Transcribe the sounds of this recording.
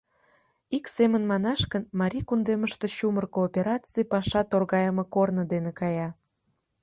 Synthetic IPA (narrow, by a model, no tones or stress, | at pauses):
iksemənmɑnɑʃkənmɑɾʲikund̪eməʃt̪e̽ɕumərkoːpʲeɾɑt͡sɨjpɑʃɑt̪orɣɑjəmɤkornəd̪enekɑjɑ